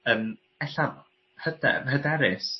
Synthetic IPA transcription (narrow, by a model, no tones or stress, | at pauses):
əːm | ɛɬan | hədɛ̰ɦədɛɾɪs